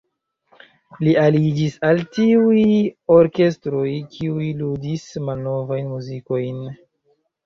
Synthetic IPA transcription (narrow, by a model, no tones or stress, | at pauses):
lialid͡ʒisaltiujo̞ɾke̞stɾo̞jkʰiujiludismalno̞vajnmuziko̞jn